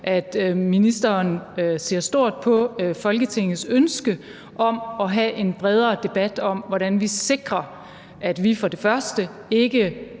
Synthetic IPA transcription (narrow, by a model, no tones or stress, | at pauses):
ʔæd̥minisd̥ɐnse̝ɐ̰sd̥o̝ɐ̰d̥̚pʰɒ̽fɒ̽lɡ̥ət͡sʰe̝ŋ̰ð̩ˠsønsɡ̥ə | ʔɒ̽mɒ̽ɦæʔe̝nb̥ʁɛð̞ˠɐd̥e̝b̥æd̥ɒ̽m̰ʋɒɾænʋise̝ɡ̥ʁɐ | ʔæd̥ʋifɒ̽d̥e̝fɶɐsd̥ə | e̝ɡ̥ə